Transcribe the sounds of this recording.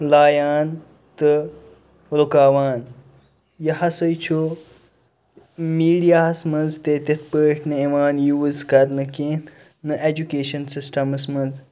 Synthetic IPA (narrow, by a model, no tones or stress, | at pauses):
laːjaːn | t̪ɨ | ɾokaːʋaːn | jɐɦɐsɐjt͡ʃʰo | miːɖijaːɐsmɐnzt̪eːt̪it̪ʰpəːʈʰnɨiʋaːnjuːzkɐɾnɨkẽːn | nɨʔed͡ʒukeːʃɐnsisʈɐmɐsmɐnz